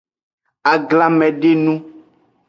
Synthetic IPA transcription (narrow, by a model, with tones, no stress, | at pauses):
a˨ɡla˦mɛ̃˨ɖe˦nũ˦